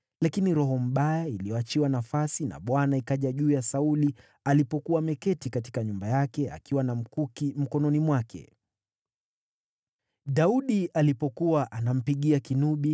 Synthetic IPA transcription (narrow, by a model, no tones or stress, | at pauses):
lakiniɾɔɦɔm̩ɓajailiɔat͡ʃiwanafasina̰ɓwanaikaʄaʄuːjasauli | alipɔkuwamɛkɛtikati̥kaɲumbajakɛa̰kiwanam̩kukm̩kɔnɔnimwakʰɛ̰ | ɗauɗialipɔkuwaʔanam̩piɠiakinuɓi